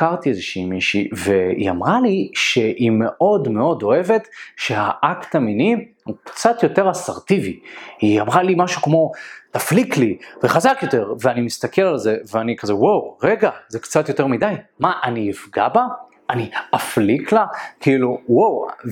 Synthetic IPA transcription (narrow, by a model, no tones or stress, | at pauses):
aʁt̪iezeʃiːmiʃive̞ḭa̰mʁaliʃe̞ʔime̞ʔo̞dme̞o̞do̞e̞ve̞t̪ʃe̞aʔaktaminihukt͡satjo̞te̞ʁasaʁtivihiamʁalimaʃukmo̞taflikliveχazakjo̞te̞ʁveanimist̪akʰelalze̞veanikazewowʁeɡaze̞kt͡sat̪jo̞te̞ʁmidajmaʔaniifɡaba | aniafliklakʰiiluwow